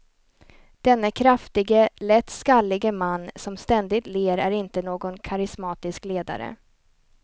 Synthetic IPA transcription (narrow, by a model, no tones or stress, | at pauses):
d̪̥ɛnːəkʰɾaft̪ɪɡəlɛt̪ːskalːɪɡəmanːsɔmst̪ɛnd̪ɪt̪leːɾæɾɪnt̪ənoːɡɔnkʰaɾɪsmɑːt̪ɪskleːd̪a̰ɾə̰